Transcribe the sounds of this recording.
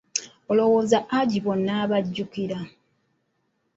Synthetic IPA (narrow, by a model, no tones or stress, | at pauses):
olo̞woːzaʔaɟiβonːaːβaɟːukiɾa